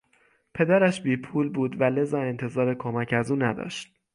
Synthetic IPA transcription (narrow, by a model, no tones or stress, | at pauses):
pʰe̞d̪æɾæʃbiːpʰuːlbuːd̪væle̞zɒːe̞nt̪ʰe̞zɒːɾe̞kʰomæcʰæzuːnæd̪ɒ̰ːʃt̪̚